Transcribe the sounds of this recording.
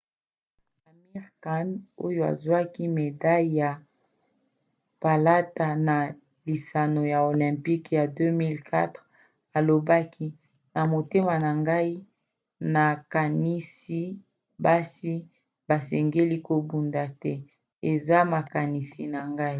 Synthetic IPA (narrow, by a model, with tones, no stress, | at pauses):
a˨mi˦ʁka˦no̰˦jo˦a̰˨zwa˦ki˦me˨da˦jja˨ | pa˨la˦ta˨na˨ | li˨sa˨no˨ja˨o˨lɛ̃˨mpi˦kja˨dø˦mi˦lkʰa̰˦tʁ | a˨lo˨ba˦kʰi˦ | na˨mo˨te˦ma˨na˨ŋɡa˦i˦ | na˨ka˨ni˦si˦ | ba˦si˦ | ba˨sɛ˨ŋɡe˦li˦ko˨bu˨nda˨tɛ˦ | e˨za˦ma˨ka˨ni˨si˨na˨ŋɡa˦i˦